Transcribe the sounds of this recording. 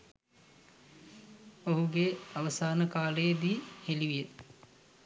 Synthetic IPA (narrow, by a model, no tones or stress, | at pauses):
oɦuɡeaʋəsaːnəkaːləjəd̪iːheliʋijə